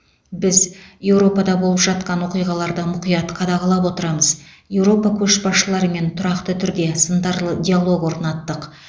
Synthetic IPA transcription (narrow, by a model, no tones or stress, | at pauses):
bɪzje̞wɾo̞pɑd̪ɑbo̞lˠəpʒɑt̪̚qɑnwo̞qijʁɑlˠɑɾd̪əmʊqijɑt̪qʰɑd̪ɑʁɑlˠɑpwo̞t̪əɾɑməzje̞wɾo̞pɑkʲʰɵʃbɑsʃəlˠɑɾəme̞nt̪ʰʊɾɑqt̪ət̪ʰʏɾd̪e̞sənd̪ɑɾˠdʲijalˠo̞ɡwo̞ɾnɑt̪ːəq